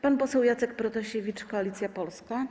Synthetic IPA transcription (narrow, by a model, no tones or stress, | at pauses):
panpɔsɛwjat̪sɛkpɾɔt̪ɔɕevʲit͡ʂkɔalʲit̪sʲjapɔlska